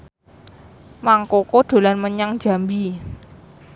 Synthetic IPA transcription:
maŋkokoɖ̥o̤lanməɲaŋ̥d͡ʒ̥a̤mbi

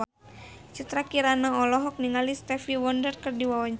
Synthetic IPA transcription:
t͡ʃit̪ɾakiɾanaɔlɔɦɔk̚niŋalist̪ɛfiwɔndərkɨrdiwawaɲt͡ʃ

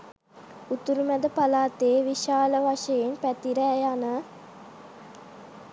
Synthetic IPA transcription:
ut̪uɾumæd̪əpalaːt̪eːʋiʃaːləʋaʂəjenpæt̪iɾəjanə

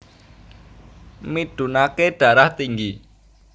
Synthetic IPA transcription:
miɖ̪̥ṳnakeɖ̥ä̤ɾaht̪iŋɡi

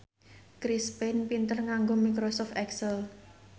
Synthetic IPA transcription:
kɾispɛnpint̪ərŋaŋɡomikɾosɔft̪ɛksəl

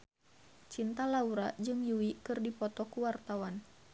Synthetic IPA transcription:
t͡ʃint̪alauɾad͡ʒɨŋjuwikɨrdipɔt̪ɔkuwart̪awan

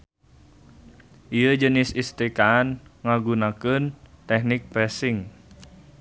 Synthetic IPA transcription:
ʔijəd͡ʒənɪsist̪ɾikaːnŋaɡunakənt̪ɛhnɪk̚pɾɛsɪŋ

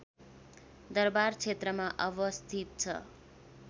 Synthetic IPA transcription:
d̪ʌrbart͡sʰet̪rʌmaʔʌbʌst̪ʰit̪̚t͡sʰʌ̰

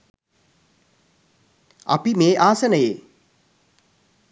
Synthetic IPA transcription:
ɐ̰pimeːʔaːsənəjeː

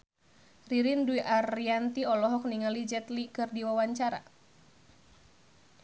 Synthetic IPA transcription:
riɾinduiʔariant̪iɔlɔɦɔk̚niŋalid͡ʒɛt̪likɨrdiwawaɲt͡ʃaɾa̰

